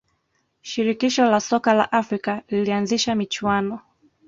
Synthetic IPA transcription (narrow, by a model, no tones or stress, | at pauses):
ʃiɾikiʃɔlasɔkala̰ʔafɾikalilianziʃamit͡ʃuwanɔ